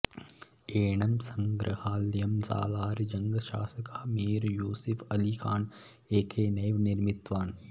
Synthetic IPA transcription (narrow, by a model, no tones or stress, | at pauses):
eːɳɐmsɐŋɡɾə̰haːljɐmza̰ːlaːɾd͡ʒɐŋɡʃaːsəkameːɾjoːsɪfʰɐliːkʰaːn | eːkʰeːnɐʋnɪɾmɪt̪ʋaːn